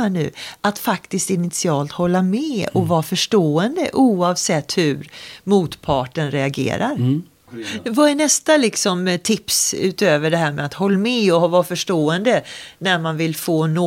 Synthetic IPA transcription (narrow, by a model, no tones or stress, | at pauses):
nʉ̟̰ːʔat̪fakt̪ɪst̪ɪnɪt̪sɪɑːlt̪hɔlːamɛɔvɑːfœʂʈoːɛnd̪ə̰ʔuːɑvsɛt̪ːhʉɾmuːt̪pʰɑːʈənɾɛaɡḛːɾa̰ɾ | vaɛnɛst̪alɪksɔmt̪ʰɪpsʉ̟̰ːt̪øːvəɖɛɦæːɾmɛ̰at̪hɔlːamɛɔvɑfœʂʈoːɛnd̪ənæɾmanvɪlfoːno